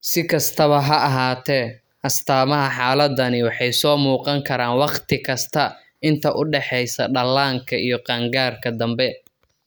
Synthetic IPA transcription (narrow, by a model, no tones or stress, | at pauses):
sɪkʰɐst̪ʰɐβɐɦɐɐɦaːt̪ʰɛː | ʔɐst̪ʰaːmɐɦɐħaːlɐd̪ɐnɪwɑħɑjsɔːmuːqɑŋkʰɐɾaːnwɑqt̪ʰɪkʰɐst̪ʰɐ | ɪnt̪ʰɐʔʊɖɛħɛjsɐɖɐlːaːŋkʰɐʔijɞqɑŋɡaːrkʰɐd̪ɐmbɛ